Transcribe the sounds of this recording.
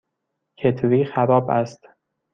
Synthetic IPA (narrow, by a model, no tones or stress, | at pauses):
cʰe̞t̪ʰɾiːxæɾɒːbæst̪